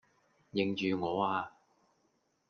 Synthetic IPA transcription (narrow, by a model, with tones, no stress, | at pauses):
jɪ˨ŋt͡ʃyː˨˧ŋɔː˨˧aː˧